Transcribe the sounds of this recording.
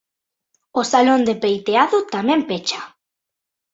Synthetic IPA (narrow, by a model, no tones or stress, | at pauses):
osalond̪epejt̪eaðʊt̪amɛ̃mpet͡ʃḁ